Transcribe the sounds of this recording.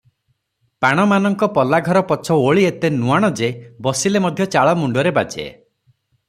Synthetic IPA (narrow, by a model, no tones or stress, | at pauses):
paɽ̃ɔmanɔŋkɔpɔlaɡʱɔɾɔpɔt͡ʃʰɔoɭiet̪enuaɽ̃ɔd͡ʒebɔsilemɔd̪ʱjɔt͡ʃaɭɔmuɳɖɔɾebad͡ʒḛ